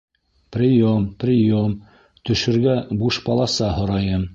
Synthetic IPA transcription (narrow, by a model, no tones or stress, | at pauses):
prʲɪjomprʲɪjom | t̪ɵ̆ʃɘ̆ɾɡæbuʃpɑlˠɑsɑɦŏɾɑjɤm